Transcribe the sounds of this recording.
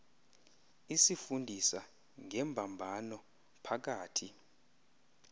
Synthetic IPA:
isifundʱisa | ŋʱɛmbʱambʱanɔ | pʰak̬aːtʰi

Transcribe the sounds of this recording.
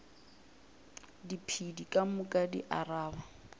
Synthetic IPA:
dipʰidikʼamʊkʼadḭʔaraːba

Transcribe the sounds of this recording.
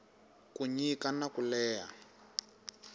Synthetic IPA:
kuɲikanakulɛːja̰

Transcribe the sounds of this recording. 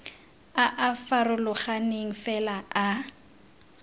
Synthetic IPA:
aʔafarʊlʊχaneŋ̩fɛlaa

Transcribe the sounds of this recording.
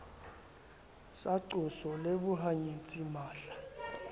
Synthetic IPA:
saǀusɔleɓuɦaɲet͡sʼimaːɬa

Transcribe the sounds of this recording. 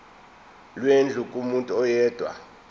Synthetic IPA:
lwend͡ɮʱukʼumuntʼuɔjɛːd̥ʱwa̰

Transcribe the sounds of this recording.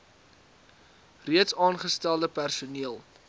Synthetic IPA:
riətsɑːnχəstælˠdəpærsuniəlˠ

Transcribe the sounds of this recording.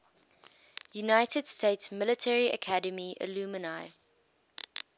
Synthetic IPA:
junaɪtəd̥stʰeɪtsmɪlətʰɛɹiə̰kʰædəmiʔɪ̰luːmənaɪ

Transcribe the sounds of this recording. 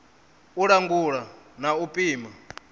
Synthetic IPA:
uɺaŋɡuɺanaupʼiːma

